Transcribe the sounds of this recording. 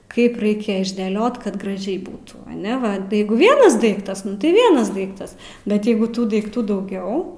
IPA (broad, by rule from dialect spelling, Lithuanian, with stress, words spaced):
ˈkɐɪp ˈrɐɪkʲɛ ɪʒʲdʲeːˈlʲoːt kɐt ɡrɐˈʒʲɛɪ ˈbuːtuː ɐˈnʲɛ ˈʋɐ ˈjɛɪɡʊ ˈʋʲiɛnɐs ˈdɐɪktɐs tɐɪ ˈʋʲiɛnɐs ˈdɐɪktɐs ˈbʲɛt ˈjɛɪɡʊ ˈtuː dɐɪkˈtuː dɐʊˈɡʲɛʊ